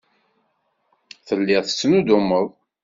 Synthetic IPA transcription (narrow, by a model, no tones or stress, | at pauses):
θəlːɪʁˤθə̥t͡sːnud̪ʊmːəðˤ